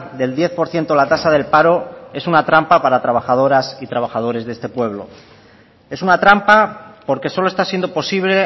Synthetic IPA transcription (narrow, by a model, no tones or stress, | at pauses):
d̪e̞ld̪je̞θpo̞ɾθje̞nt̪olat̪asaðe̞lpaɾo̞e̞sunat̪ɾampapaɾat̪ɾaβaxað̞o̞ɾasit̪ɾaβ̞axað̞o̞ɾe̞zðe̞st̪e̞pwe̞βlo̞̰ | e̞sunat̪ɾampapo̞ɾke̞so̞loe̞st̪asje̞nd̪opo̞siβle̞